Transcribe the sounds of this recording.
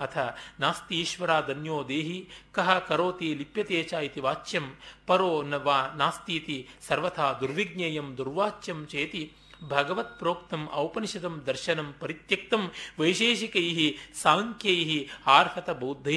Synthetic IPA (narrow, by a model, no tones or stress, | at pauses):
ɐt̪ʰɐnaːst̪iiːʃʋɐɾaːd̪ɐnjoːd̪eːɦikɐɦɐkɐɾoːt̪iːlipjɐt̪eːt͡ʃaːjit̪iʋaːt͡ʃjɐmpɐɾoːnɐʋaːnaːst̪iːt̪isɐɾʋɐt̪ʰaːd̪uɾʋiɡ̚neːjɐmd̪uɾʋaːt͡ʃjɐmt͡ʃeːt̪i | bʱɐɡɐʋɐt̪̚pɾoːkt̪ɐmʔɐwpɐnʃɐd̪ɐmd̪ɐɾʃɐnɐmpɐɾit̪jɐk̚t̪ɐmʋɐjʃeːʃikɐjɦisaːŋkjɐjɦiaːɾpʰɐt̪ɐbɐːd̪ʱːɐ